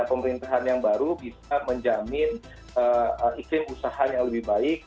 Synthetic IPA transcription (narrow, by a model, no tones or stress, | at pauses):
pəməɾint̪aɦanjaŋbaɾubisaməɲd͡ʒamɪn | əəikɾɪmusaɦajaŋləbɪhbaɪk̚